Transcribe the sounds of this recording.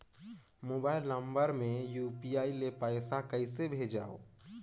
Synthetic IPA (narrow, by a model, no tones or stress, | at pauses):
moːbaːɪlnə̃mbəɾmẽjuːpiaːilepaɪsakəisebʱeːd͡ʒa̰ːo̰ː